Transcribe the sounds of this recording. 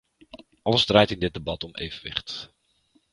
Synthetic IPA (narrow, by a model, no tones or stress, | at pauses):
ʔɑləzdraːjtɪndɪt̚debɑtɔmʔḛjvənʋɪ̰χt